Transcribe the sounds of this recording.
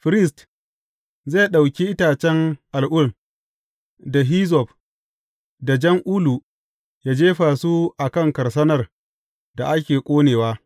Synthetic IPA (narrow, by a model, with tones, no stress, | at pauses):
ɸɪ˨ɾɪ˦˨s̬t | ze˦˨ɗa˨wkʲi˦ʔɪ˦taː˨t͡ʃɛ˦ŋʔa˨lʔʊ˦˨l | da˨ɦiː˦zɔ˨ɸ | da˨d͡ʒɐ˦ŋʔuː˦lu˨ | jaː˦d͡ʒeː˦ɸaː˨su˦ʔa˨kɐ˦˨ŋkɐ˨rsɐ˦nɐ˦r | da˨ʔa˦kʲeː˨kʷʼoː˦neː˨waː˦